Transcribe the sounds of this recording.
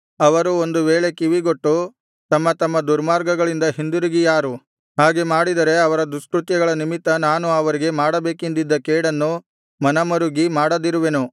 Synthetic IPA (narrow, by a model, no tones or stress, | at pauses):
ɐʋɐɾuond̪uʋeːɭe̞kiʋiɡo̞ʈːu | t̪ɐmːɐt̪ɐmːɐd̪uɾmaːɾɡɐɡɐɭind̪ɐɦind̪uɾiɡijaːɾu | ɦaːɡe̞maːɽid̪ɐɾe̞ɐʋɐɾɐd̪uʂkɾut̪jɐɡɐɭɐnimit̪ːɐnaːnuɐʋɐɾiɡe̞maːɽɐbe̞ːkind̪id̪ːɐkɛːɽɐnːu | mɐnɐmɐɾuɡimaːɽɐd̪iɾuʋenu